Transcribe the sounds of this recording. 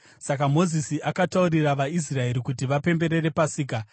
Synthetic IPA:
sakamo̞zisiʔakatauriraʋais̬rae̞ɾikutiʋape̞mbe̞ɾe̞re̞pasiːka

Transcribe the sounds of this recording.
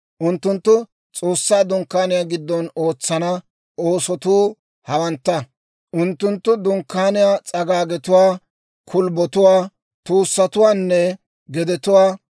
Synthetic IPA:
ʔʊnt̪ːʊnt̪ːʊ | t͡sʼo̞ːsːaːd̪ʊŋkːaːnɪjaːɡɪd̪ːɔno̞ːt͡sːɐnɐ | o̞ːsɔt̪uː | hɐwɐnt̪ːɐ | ʔʊnt̪ːʊnt̪ːʊd̪ʊŋkːaːnɪjaːt͡sʼɐɡaːɡɛt̪ʊwaː | kʰʊlbɔt̪ʊwaː | t̪uːsːɐt̪ʊwaːnːɛ | ɡɛd̪ɛt̪ʊwaː

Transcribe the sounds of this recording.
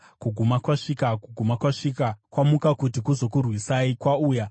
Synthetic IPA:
kuɡʱumakwaʂikakuɡʱumakwaʂikakwamukakutikuzo̞kurwisaikwauːja

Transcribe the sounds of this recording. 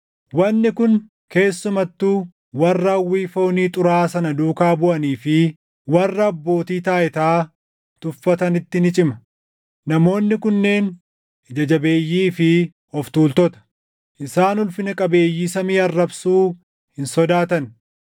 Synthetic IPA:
wɐnːɪkʊn | ke̞ːsːʊmɐt̪ːuː | wɐrːɐwːiːfo̞ːniːt̪ʼʊɾaːsɐnɐd̪uːkaːbʊʔɐniːfɪ | wɐrːɐːbːo̞ːt̪iːt̪aːʔɛt̪aː | t̪ʊfːɐt̪ɐnɪt̪ːɪnɪt͡ʃʼɪmɐ | nɐmo̞ːnːɪkʊnːe̞ːn | d͡ʒɐd͡ʒɐbe̞ːjːiːfɪ | ɔft̪uːlt̪ɔt̪ɐ̥ | ʔɪsaːnʊlfɪnɐkʼɐbe̞ːjːiːsɐmiːɐrːɐbsuː | hɪnsɔd̪aːt̪ɐn

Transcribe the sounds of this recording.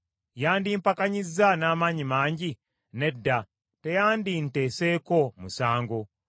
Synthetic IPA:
jaːndimpakaɲizanaːmaːɲimaːɲɟi | ne̞dːa | te̞jaːndinte̞ːse̞ko̞musaːŋɡo

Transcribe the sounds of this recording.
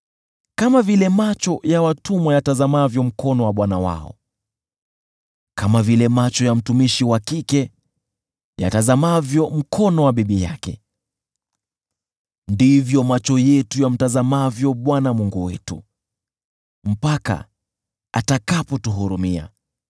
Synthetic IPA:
kamavilɛmat͡ʃɔjawatumwajatazamavjɔm̩kʰɔnɔwaɓwanawa̰ɔ̰ | kamavilɛmat͡ʃɔjam̩tumiʃiwakikɛ | ja̰tazamavjɔm̩kʰɔnɔwaɓiɓijakɛ̰ | ndivjɔmat͡ʃɔjɛtujam̩tazamavjɔɓwanamuŋɡuwɛtu | m̩paka̰ | a̰takapɔtuɦuɾumia̰

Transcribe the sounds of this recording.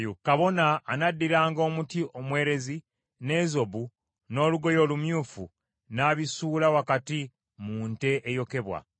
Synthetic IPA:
jukaβo̞naːnadːiɾaːŋɡo̞ːmutiʔo̞mwe̞ːɾe̞zi | ne̞zo̞bu | no̞ːluɡo̞jo̞ːlumjuːfṵ | naːβisuːlawakati | muːnte̞ʔːjo̞ke̞βwa̰

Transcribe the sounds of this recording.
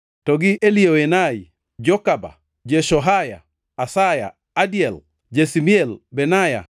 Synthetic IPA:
tɔɡiʔelioenaj | d͡ʒokaba̰ | d͡ʒeʃɔɦaja̰ː | saja̰ | adiel | d͡ʒesimielbenaja̰

